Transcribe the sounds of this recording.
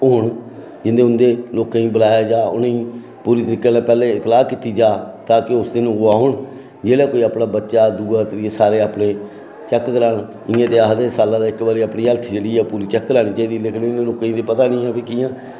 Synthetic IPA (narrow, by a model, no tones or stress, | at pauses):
ʊɳ | d͡ʒɪnd̪eːʊnd̪eːloːkãːĩːbəlaːjaːd͡ʒaːʊ̰nĩː | puːɾiːt̪əɾiːkeːnãːpɛːleːɪt̪laːkiːt̪iːd͡ʒaːt̪ãːkɪʊsd̪ɪnũːɡʊaːɦʊɳ | d͡ʒeːɽaːkoːiaːpɳaːbətːʃaːd̪uːɡaːt̪əɾiːesaːɾeːaːpɽeː | t͡ʃɛkːɡəɾaːn | ɪ̃ãːt̪eːaːɦd̪eːsaːlãːd̪aːɪkbaːɾiːaːpɽiːəlt̪ʰːd͡ʒeːɽiːɛːpuːɾiːt͡ʃɛkːɾaːniːt͡ʃaːiːd̪iːlɪkʰniːneloːkãĩːt̪eːpət̪aːnĩːãːpeːkiːãː